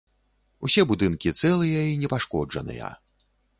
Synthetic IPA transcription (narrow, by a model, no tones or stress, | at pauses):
usʲɛbud̪ɨnkʲit̪sɛlˠɨjɐinʲɛpaʂkɔd͡ʐɐ̰nɨ̰jɐ̰